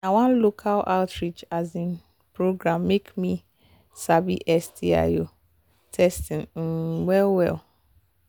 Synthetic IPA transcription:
nawãnlokʰalʔa̰ltɹit͡ʃazĩn | pʰɾoɡɾãmːekmĩ | sabiʔɛstʰia̰jo | tʰɛstɪ̃n̩wɛlwɛ̰l

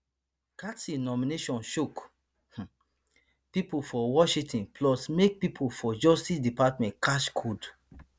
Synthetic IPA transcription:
katinɔmineʃɔ̃nʃuk | h̩ | pipofɔwɔʃitĩnplɔsmek̚pipʰofɔd͡ʒɔstisdipatmɛ̃tkaʃkʰud

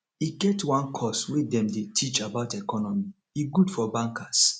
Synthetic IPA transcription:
iɡɛtʰwãnkʰɔswedɛ̃mdetʰit͡ʃabaʊtɛkʰɔnɔmi | iɡudfɔbãŋkʰas

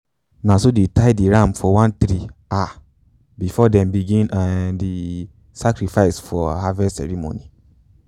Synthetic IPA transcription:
nãsodetaɪdiɹãmfɔwãnt̪ɾia | bifɔdɛ̃mbiɡĩnadi | sakɾifaɪsfɔhavɛsɛ̰ɹimo̰ni

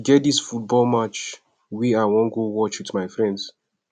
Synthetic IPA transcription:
ɡɛt̚disfut̚bɔlmat͡ʃ | wiawɔ̃ŋɡowɔt͡ʃwitmaɪfɹɛ̃nds

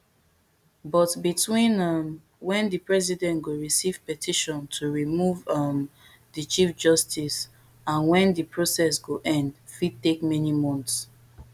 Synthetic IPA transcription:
bɔtbitʰwĩnʌm | wɛ̃ndɨpɹɛzidɛ̃ntɡoɹisiv̥pɛtʰiʃɔ̃ntʰuɹimuvʌm | dit͡ʃifd͡ʒɔstis | ãnwɛ̃ndipʰɹosɛs̬ɡoʔɛ̃nd | fid̚tekmɛnimɔ̃nts

